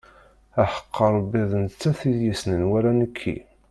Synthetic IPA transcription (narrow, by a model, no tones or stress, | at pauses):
æħə̥qʰːəɾˤbiðˤnt͡sːæθiðjisnənwæɾænəkʰːḭ